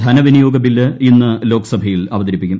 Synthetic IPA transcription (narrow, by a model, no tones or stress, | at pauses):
d̪ʱɐnɐʋinɐjo̞ːɡɐbilːɐinːɨlo̞ːkɐ̥sɐbʱɐjilɐʋɐd̪ɐɾipːikʲːum